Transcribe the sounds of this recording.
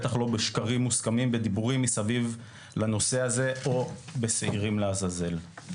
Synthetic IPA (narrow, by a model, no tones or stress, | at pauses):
t̪aχlo̞beʃkaʁimːuskamimbed̪ibuʁimːisaviv | lano̞se̞aze̞ʔo̞beseiʁimleazaze̞l